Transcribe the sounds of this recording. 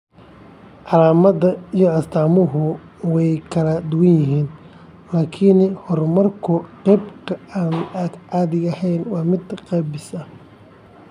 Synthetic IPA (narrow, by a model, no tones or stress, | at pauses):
ʕɑlaːmɐðɐijɞɐst̪ʰaːmʊɦʊ | wɛjkʰɐlɐd̪ʊwɐnjɪɦiːn | laːkʰɪnhɔrmɐrkʰʊqɛjbkʰɐaːnad̪ʕɑːðɪɡɐhɛjnwɑːmɪd̪qɛːbɪsɐ